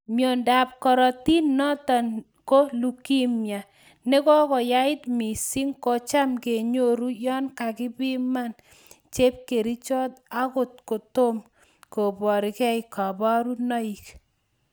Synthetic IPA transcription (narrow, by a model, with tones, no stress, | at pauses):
mjo˨nda˨p̚kɔ˨ɾɔ˨ti˦nːɔ˦ta˨n | ko˦lu˨ki˦mja˨ | ne˦kɔ˦kɔ˨ja˦ɪ˦tmi˨si˦ŋkɔ˨t͡ʃa˦mke˨ɲo˦ɾu˦jɔ˦nka˨kɪ˦pɪ˦ma˦˨n | t͡ʃe˦p̚ke˨ɾi˦t͡ʃɔ˦ta˦kʊ˨t̚ko˨to˦m | ko˨bɔ˨ɾɪ˨kɛ˦ɪ˨ka˨bɔ˦ɾu˦nɔ˦i˨k